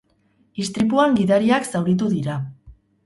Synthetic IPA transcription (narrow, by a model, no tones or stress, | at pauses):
ist̪ɾipuaŋɡiðaɾiaksawɾit̪̬uðiɾa